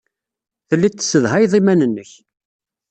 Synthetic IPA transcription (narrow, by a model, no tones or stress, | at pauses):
θəlːit̪ːə̥sːəðɦæjðˤimænənːəç